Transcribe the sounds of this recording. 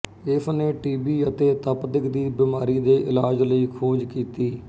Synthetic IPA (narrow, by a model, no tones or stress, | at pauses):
ɪsʰneːʈiːbiːət̪eːt̪əpd̪ɪkd̪iːbɪmaːɾiːd̪eːʔɪlaːd͡ʒləiːkʰuːd͡ʒkiːt̪iː